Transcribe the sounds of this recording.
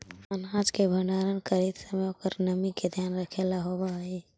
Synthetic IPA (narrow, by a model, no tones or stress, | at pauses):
ənaːd͡ʒkebʱəɳɖaːɾənkəɾiːt̪səmokəɾnəmiked̪ʱjaːnɾəkʰelaɦobai